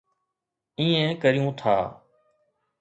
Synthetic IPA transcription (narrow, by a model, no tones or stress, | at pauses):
ĩːẽːkəɾɪjũːt̪ʰa̰ː